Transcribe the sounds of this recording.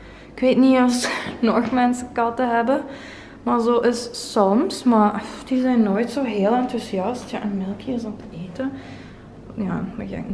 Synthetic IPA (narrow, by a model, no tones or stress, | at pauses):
ɪkʋeːtniɑsnɔxmɛnsəkɑtəɦɛbə | maɹzoːʔɪssɔmsmaɹd̥izɛjnːoːjtsoːɦeːlˠɛntuziɑstjaʔənmɪlˠkəzɔmtəeːtə | ja̰ːməka̰